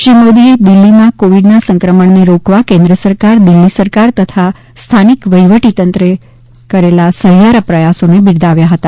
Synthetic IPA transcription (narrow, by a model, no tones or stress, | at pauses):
ʃimod̪ied̪ɪlːimãkoʋiɖnasə̃ŋkɾəməɳneɾokʋakẽnd̪ɾəsəɾkaɾd̪ilːisəɾkaɾt̪ət̪ʰa | st̪ʰanikʋəjʋəʈit̪ənt̪ɾe | kəɾelasəɦjaɾəpɾəjasonebiɽd̪aʋjaɦət̪a